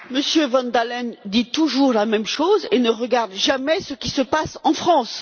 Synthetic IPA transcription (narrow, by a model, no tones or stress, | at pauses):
məsjøvɑ̃nd̪alɛnd̪it̪uʒuʁlamɛmʃozenəʁəɡaʁd̪ʒamɛsəkʲisəpasɑ̃fχɑ̃s